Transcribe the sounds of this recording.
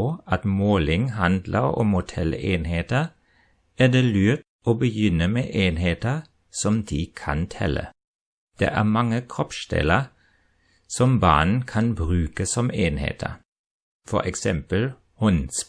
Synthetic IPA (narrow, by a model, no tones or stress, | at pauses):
ɑt̪moːlɪŋhɑnd̪ləɔ̰mhʊt̪ʰɛleːnheːt̪ə | æːd̪eːlʉːt̪ | ʔoːbəjʏnəmeːʔeːnheːt̪əʁ | sɔmd̪̥iːkʰɑnt̪ʰɛlə̰ | d̪̥ḛːʔæːmɑŋəkʰʁɔpʃd̪ɛ̰lə | sɔmbɑ̰ːnn̩kʰɑnbʁʉːkəsɔmeːnhḛːt̪ʰə̰ | fɔ̰ʁɛksɛmpəl | hɔns